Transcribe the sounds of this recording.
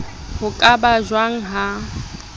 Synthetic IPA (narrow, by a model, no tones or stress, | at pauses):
hʊkʼabaʒwaŋ̩ɦa